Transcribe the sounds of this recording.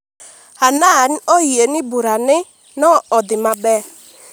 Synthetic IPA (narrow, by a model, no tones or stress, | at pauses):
ananɔienɪbuɾanɪ | nɔɔd̪ɪmabɛ